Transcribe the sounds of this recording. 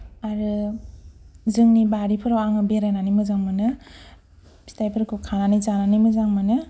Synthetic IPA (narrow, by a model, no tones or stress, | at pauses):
aɾɯ | zɯŋnibaɾipʰɯɾawaŋɯbeɾananimɯzaŋmɯnɯ | stajpʰɯɾkʰukʰananizananimɯzaŋmanɯ